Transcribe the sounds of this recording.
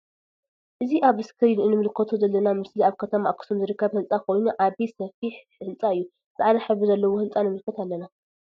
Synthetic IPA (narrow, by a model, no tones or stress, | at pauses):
ʔɨziʔaβɨskʰɨɾinɨnɨmɨlkʰɐt̪ʰozɐlːɐnamɨsliaβkʰɐt̪ʰɐmaʔkʰːɨ̥sumzɨɾɨkʰːɐβhɨnt͡sʼakʰojnuʔaβisɐfiħ | hɨnt͡sʼaɨjːu | zʕanɐħɨβɨzɐlːɐwohɨnt͡sʼanɨmɨlkʰɐt̪alːɐna